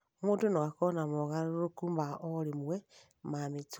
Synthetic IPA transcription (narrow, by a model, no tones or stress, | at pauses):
muːtunoɣakonamoɣaɾɾokumbaoɾimwe | mamit͡s